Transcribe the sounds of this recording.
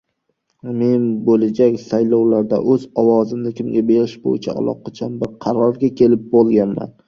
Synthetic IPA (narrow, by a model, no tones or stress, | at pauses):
me̞nbolad͡ʒakʲsajlɒwlaɾd̪a̰ʔɵzɒwɒzɪmnɪkʲʰɪmɡʲabe̞ɾɪʃbo̰jɪt͡ʃʰa̰a̰lˠɒ̰qʰɑt͡ʃʰanbɪɾqʰɑɾɒɾɡʲakʲʰe̞lɪp̚bolˠɡʲanma̰n